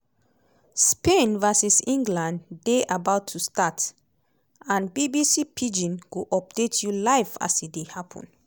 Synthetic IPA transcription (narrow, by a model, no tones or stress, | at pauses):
spẽnvasisĩŋɡlãndeʔabaʊtʰːustat | ãnbibisipʰid͡ʒĩnɡuʔɔp̚detʰjulaɪfa̰sidehapʰɔ̰̃n